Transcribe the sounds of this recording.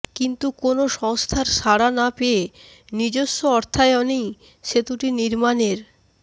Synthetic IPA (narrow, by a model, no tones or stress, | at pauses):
kint̪ukonoʃɔŋst̪ʰaɾʃaɽanapee | nid͡ʑoʃːoɔɾt̪ʰaeɔnej | ʃet̪uʈiniɾmaneɾ